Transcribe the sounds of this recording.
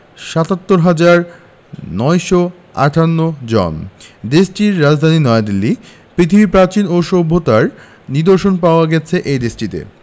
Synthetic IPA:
ʃat̪at̪ːoɾɦad͡ʑaɾ | nɔjʃo | a̰ʈʰanːod͡ʑɔ̰nd̪esʈiɾːad͡ʑd̪ʱaninɔead̪ilːi | pɾit̪ʰibipɾat͡ɕinoʃobʱːot̪aɾ | niɾd̪oɾʃonpaoaɡɛt͡ɕʰeʔed̪esʈit̪ḛ

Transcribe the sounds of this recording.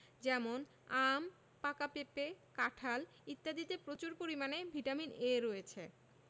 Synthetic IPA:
d͡ʑɛmon | am | pakapepekaʈʰal | it̪ːad̪it̪epɾot͡ɕuɾpoɾimanebʱiʈamineɾojet͡ɕʰe

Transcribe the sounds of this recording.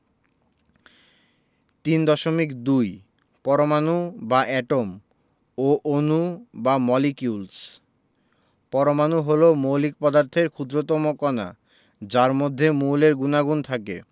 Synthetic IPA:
t̪ind̪ɔʃomikd̪uj | pɔɾomanubaʔɛʈom | oʔonubamɔlikjuls | pɔɾomanuɦolomolik̚pɔd̪aɾt̪ʰeɾkʰud̪ɾot̪ɔmokɔna̰ | d͡ʑaɾmod̪ʱːemuleɾɡunaɡunt̪ʰakḛ

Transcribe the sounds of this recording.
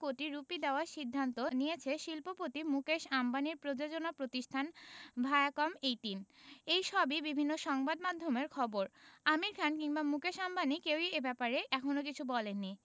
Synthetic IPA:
koʈiɾupid̪eoaʃid̪ʱːant̪onijet͡ɕʰeʃilpopot̪imukeʃambʱaniɾpɾod͡ʑod͡ʑonapɾot̪iʃʈʰanbʱaeakɔmejʈinejʃɔbibibʱinːoʃɔŋbad̪mad̪ʱːomeɾkʰɔboɾamiɾkʰankiŋbamukeʃambanikewiebɛpaɾeʔɛkʰonok̬it͡ɕʰubɔlenːi

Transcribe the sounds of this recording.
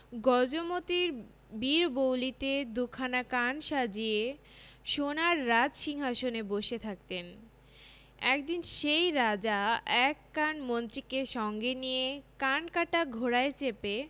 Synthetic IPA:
ɡɔd͡ʑomot̪iɾ | biɾbowlit̪ed̪ukʰanakanʃad͡ʑie | ʃonaɾːad͡ʑʃiŋɦaʃoneboʃet̪ʰak̚t̪en | ɛkd̪inʃejɾad͡ʑaɛkːanmont̪ɾikeʃɔŋɡenijekankaʈaɡʱoɾaet͡ɕepe

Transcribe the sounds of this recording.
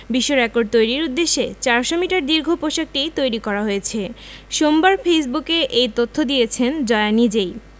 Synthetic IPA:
biʃːoɾɛkoɖ̚t̪ojɾiɾud̪ːeʃːet͡ɕaɾʃomiʈaɾd̪iɾɡʱopoʃak̚ʈijt̪ojɾikɔɾaɦojet͡ɕʰeʃombaɾfejs̬bukeʔejt̪ot̪ʰːod̪ijet͡ɕʰend͡ʑɔeanid͡ʑej

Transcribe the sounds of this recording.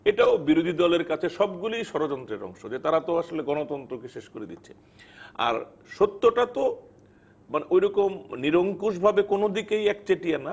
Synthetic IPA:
eʈaobiɾod̪ʱid̪ɔleɾkat͡ɕʰeʃɔbɡulijʃɔɾod͡ʑɔnt̪ɾeɾɔ̰ŋʃod͡ʑet̪aɾat̪oaʃoleɡɔnot̪ɔnt̪ɾokeʃeʃkoɾed̪itːɕʰe̥̰ | a̰ɾ | ʃot̪ːoʈat̪o | maneʔojɾɔkomniɾoŋkuʃ̬bʱabekonod̪ikejɛkt͡ɕeʈiana

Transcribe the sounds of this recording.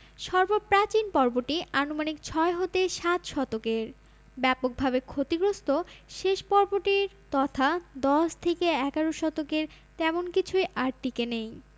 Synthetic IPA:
ʃɔɾboɾpɾat͡ɕinpɔɾboʈianomanikt͡ɕʰɔeɦot̪eʃat̪ʃɔt̪okeɾ | bɛpok̚bʱabekʰot̪iɡɾost̪oʃeʃpɔɾboʈiɾ | t̪ɔt̪ʰad̪ɔʃt̪ʰekeɛɡaɾoʃɔt̪okeɾ | t̪ɛmonkit͡ɕʰujʔaɾʈikenej

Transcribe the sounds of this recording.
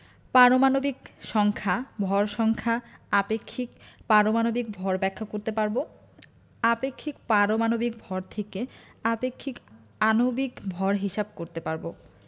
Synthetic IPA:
paɾomanobikʃɔŋkʰabʱɔɾʃɔŋkʰaapekʰːikpaɾomanobik̚bʱɔɾbɛkʰːakoɾt̪epaɾbo | apekʰːikpaɾomanobik̚bʱɔɾt̪ʰekeapekʰːik | anobikbʱɔɾɦiʃab̚koɾt̪epaɾbo

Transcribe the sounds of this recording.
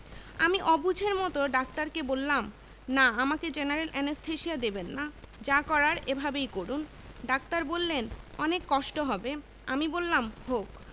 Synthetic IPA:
amiʔɔbud͡ʑʱeɾmɔt̪oɖak̚t̪aɾkebolːam | naamaked͡ʑenaɾelʔɛnesʈʰeʃiad̪ebenːad͡ʑakɔɾaɾebʱabejkoɾun | ɖak̚t̪aɾbolːenɔnekːɔʃʈoɦɔbe | amibolːamhok

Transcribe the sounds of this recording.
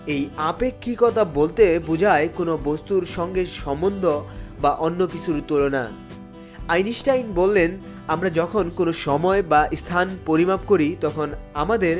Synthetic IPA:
ejapekʰːikɔt̪ʰabolt̪ebud͡ʑʱaekonobost̪uɾʃɔŋɡeʃɔmbond̪ʱobaʔonːokit͡ɕʰuɾt̪olona̰ | ajniʃʈajnbolːen | amɾad͡ʑɔkʰonkonoʃɔmɔebaʔst̪ʰanpoɾimab̚koɾit̪ɔkʰonamad̪eɾ

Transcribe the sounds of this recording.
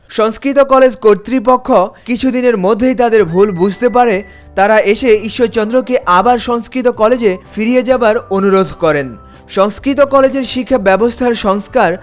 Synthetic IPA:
ʃɔŋskɾit̪̬okɔled͡ʑkoɾt̪ɾip̬okʰːokit͡ɕʰud̪ineɾmod̪ʱːejt̪ad̪eɾbʱulbud͡ʑʱt̪ep̬aɾe | t̪aɾaʔeʃeiʃːot͡ɕɔnd̪ɾokeʔabaɾʃɔŋskɾit̪̬okɔled͡ʑefiɾied͡ʑabaɾonuɾod̪ʱkɔɾen | ʃɔŋskɾit̪okɔled͡ʑeɾʃikʰːabɛbost̪ʰaɾʃɔŋskaɾ

